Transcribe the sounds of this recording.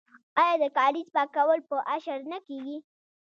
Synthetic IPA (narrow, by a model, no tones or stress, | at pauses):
ɑjɑd̪əkɑlizpɑkawəlpəʔaʃaɾnakeɡi